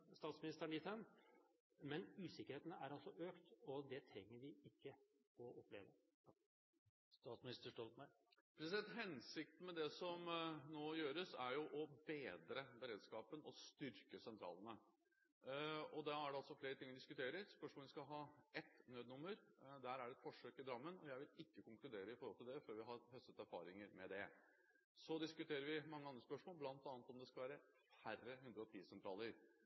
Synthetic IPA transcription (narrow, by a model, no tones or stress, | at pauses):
st̪ɑːt̪smɪnɪst̪əɾæɳɪt̪ʰən | mɛnʉːsɪkːəɾeːt̪ənəʔæɾɑlsɔʔøːkt̪ɔd̪ɛt̪ʰɾɛŋːəɾʋɪɪkːə | ɔʔɔplḛːʋə̰ | st̪ɑːt̪smɪnɪst̪əʂʈɔlt̪mæɪ | pʰɾɛsɛt̪ɦɛnsɪk̚t̪n̩mɛd̪ɛsɔmnoːjøːɾəsæɾjʊʔɔbeːd̪ɾəbəɾeːd̪skɑːpənɔst̪ʏɾkəsɛnt̪ʰɾɑ̰ːlənə | ɔd̪ɑæɖɛɑlsɔfleːɾət̪ɪŋːəd̪ɪskʉt̪ʰeːɾəɾspœʂmoɔlʋɪskɑɦɑːɛt̪ːnøːd̪nʊmːəɾd̪æːɾæɖɛt̪fɔʂøːkɪd̪ɾɑmːənɔjæɪʋɪlɪkːəkʊŋklʉd̪eːɾəɪfɔɾhɔlt̪ɪld̪ɛføːɾʋɪɦɑɾhœst̪ət̪æɾfɑ̰ːɾɪŋəɾmɛd̪ɛ | sɔd̪ɪskʉt̪ʰeːɾəɾʋɪmɑŋːəɑnd̪ɾəspœʂmoːlblɑnt̪ɑːnət̪ɔmd̪ɛskɑlʋæːɾə | færəɦʉnd̪ɾəɔt̪ʰiːsɛnt̪ʰɾɑːləɾ